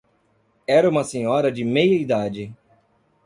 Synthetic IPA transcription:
ɛɾɐũmɐsẽɲɔɾɐd͡ʒɪmejɐid̪ad͡ʒɪ

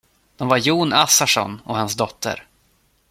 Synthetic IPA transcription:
d̪̥ɔmvaɾjuːnasaʂɔ̰nɔhans̬d̪ɔt̪ʰːə̰ɾ

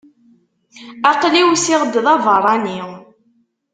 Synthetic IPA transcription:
aqliwsɪʁd̪ðˤɑvərˤɑni

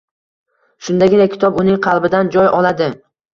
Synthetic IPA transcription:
ʃʊnd̪aɡʲɪnakʲʰɪ̥t̪ʰɒbʊnɪŋqʰɑlˠbɪd̪and͡ʒɒjʔɒlˠad̪ɪ

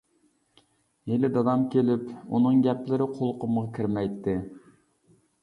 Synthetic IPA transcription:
jelɪd̪ɑd̪ɑmkʲʰelɪpṵnɨŋɡʲɛplɪɾɪqʰolˠqʊmʁɑkʲʰiɾmɛjt̪ʰːɪ

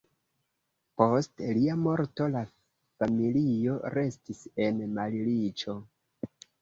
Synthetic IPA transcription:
po̞stliamo̞ɾto̞la | familio̞ɾe̞stise̞nmalilit͡ʃo̞

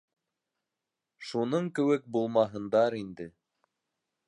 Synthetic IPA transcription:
ʃunɤɴkɘ̆wɘk̚bulˠmɑɦɤ̆nd̪ɑɾind̪ɘ

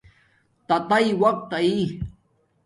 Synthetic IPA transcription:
t̪at̪ajwak̚t̪ai

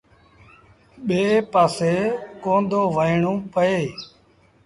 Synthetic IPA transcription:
ɓeːpaːseːkõːnd̪ʱoːʋəiɳũːpəeː

